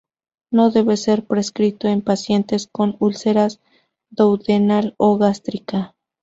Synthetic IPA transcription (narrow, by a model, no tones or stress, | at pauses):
no̞ðe̞βe̞se̞ɾpɾe̞skɾit̪o̞empasje̞nt̪e̞sko̞nulse̞ɾaz | d̪owðenaloɣast̪ɾika